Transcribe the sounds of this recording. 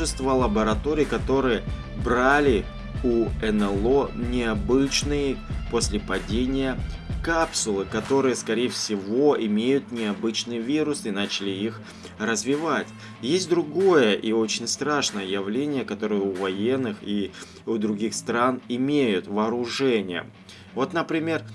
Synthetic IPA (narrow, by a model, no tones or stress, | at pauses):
ɨst̪vəlˠəbəɾɐt̪o̞ɾʲijkɐt̪o̞ɾɨjə | bɾalʲɪ | uɛnɛlˠo̞nʲɪɐbɨt͡ɕnɨjəpo̞sʲlʲɪpɐdʲenʲɪjəkapsʊlˠɨkɐt̪o̞ɾɨjəskɐɾʲejəfsʲɪvo̞ɪmʲejʊt̪nʲɪɐbɨt͡ɕnɨjvʲiɾʊsɨnat͡ɕɪlʲɪix | rəzvʲɪvatʲ | jesʲt̚ʲd̪ɾʊɡo̞jəʔio̞t͡ɕɪnʲst̪ɾaʂnəjəjɪvlʲenʲɪjəkɐt̪o̞ɾɨjəʊvɐjenːɨxi | ʊd̪ɾʊɡʲixst̪ɾanɪmʲejʊt̪vɐːɾʊʐɛnʲɪjə̰ | vo̞t̪nəpɾʲɪmʲe̞r